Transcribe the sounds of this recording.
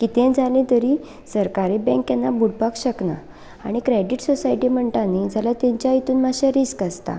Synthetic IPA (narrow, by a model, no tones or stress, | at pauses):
kit̪ẽd͡zʱalĩt̪əɾiː | səɾkaɾibɛ̃ŋkjɛnːabuʈ̚pakɕəkna̰ | a̰ɽ̃ikɾeɖiʈsɔsaiʈim̤əɳʈanid͡zʱalat̪ẽɲt͡ɕjait̪uːnmaɕaɾiskast̪a̰